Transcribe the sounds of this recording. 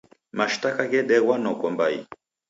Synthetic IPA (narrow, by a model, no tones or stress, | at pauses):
maʃtakaɣɛɗɛwanɔkɔmbaḭ